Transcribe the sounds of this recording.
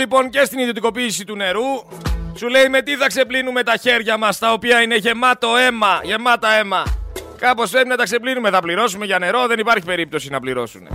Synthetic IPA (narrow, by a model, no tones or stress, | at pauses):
ipo̞ŋce̞st̪iniðio̞t̪iko̞piːsit̪une̞ɾusule̞ime̞t̪iθɐkse̞plinume̞t̪ɐçe̞ɾʝɐmɐst̪ɐo̞piɐine̞ʝe̞mɐt̪o̞e̞mɐʝe̞mɐt̪ɐe̞mɐkɐpo̞spɾe̞pinɐt̪ɐkse̞plinume̞θɐpliɾo̞sume̞ʝɐne̞ɾo̞ðe̞nipɐɾçipe̞ɾip̚t̪o̞sinɐpliɾo̞̰sune̞̰